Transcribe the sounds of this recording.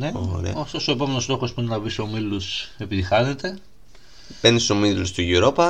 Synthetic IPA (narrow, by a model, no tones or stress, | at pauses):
neoɾḛoft̪o̞so̞e̞po̞me̞no̞st̪o̞xo̞spuinenɐvisomiluse̞piðixɐne̞t̪e̞ | penisomilust̪iʝuɾo̞pɐ